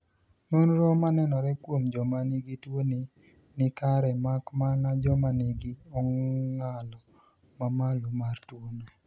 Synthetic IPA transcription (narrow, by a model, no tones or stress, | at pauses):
nonɾɔmanɛnɔɾɛkwomd͡ʒɔmaniɡitwoni | nɪkaɾɛmakmanad͡ʒɔmaniɡiɔŋŋalɔ | mamalomartwono